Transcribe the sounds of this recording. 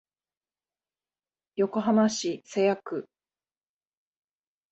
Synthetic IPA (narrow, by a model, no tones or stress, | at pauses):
jo̞ko̞ɦamaɕisejakɯ̟